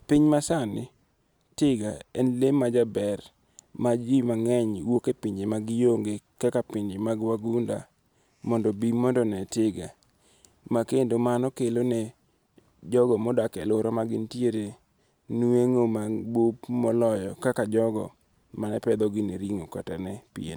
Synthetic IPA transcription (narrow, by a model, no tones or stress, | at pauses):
piɲmasanɪ | tɪɡaɛnlemad͡ʒabɛr | mad͡ʒimaŋɛɲwokepiɲd͡ʒemaɡɪjoŋɡekakapɪɲd͡ʒɪmaɡwaɡunda | mɔndɔbimɔndɔnɛtɪɡa̰ | makendomanɔkelonɛ | d͡ʒɔɡɔmɔdakɛ̰loɾɔmaɡɪntjeɾe | nueŋomabopmɔlɔjɔkakad͡ʒɔɡɔ̰ | manɛpɛd̪ɔɡɪneɾiŋoka̰tanɛpiḛn